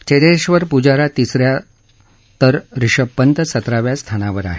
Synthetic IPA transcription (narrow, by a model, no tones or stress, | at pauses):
t͡ɕed̪eɕʋəɾpud͡ʑaɾat̪isɾja | t̪əɾɾiʂəpːənt̪əsət̪ɾaʋjast̪ʰanaʋəɾa̰ɦe